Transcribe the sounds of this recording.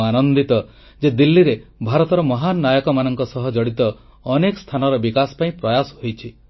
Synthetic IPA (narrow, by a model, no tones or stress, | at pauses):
anɔnd̪it̪ɔ | d͡ʒed̪ilːiɾebʱaɾɔt̪ɔɾɔmɔɦanːajɔkɔmanɔŋkɔsɔɦɔd͡ʒɔɽit̪ɔː | nekɔ̥st̪ʰanɔɾɔbikasɔ̥paĩpɾɔjasɔɦojt͡ʃʰi